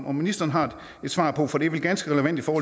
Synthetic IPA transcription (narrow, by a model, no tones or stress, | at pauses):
mɒ̽minisd̥ɐːn̩ɦɑ̈d̥ | e̝d̥sʋɑ̰̈ːpʰɔ̽fɒ̽d̥e̝ʋelɡ̥ænsɡ̥əʁɛləʋænd̥ifɒːhɒ̽